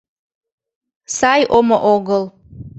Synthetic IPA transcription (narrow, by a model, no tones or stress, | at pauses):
sajʔoməʔoɡəlˠ